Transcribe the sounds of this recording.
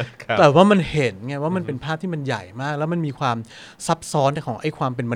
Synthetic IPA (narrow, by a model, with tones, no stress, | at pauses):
t̪ɛː˨˩waː˥˩ma˧nhe˩˦nŋa˧˩waː˥˩ma˧npe˧npʰaː˥˩p̪̚ʰiː˥˩ma˧nja˨˩jmaː˥˩k̚lɛː˦˥wma˧nmiː˧kʰwaː˧m | sa˦˥p̚sɔː˦˥n˥˩kʰɔː˩˦ŋʔa˥˩jkʰwaː˧mpe˧nwa˧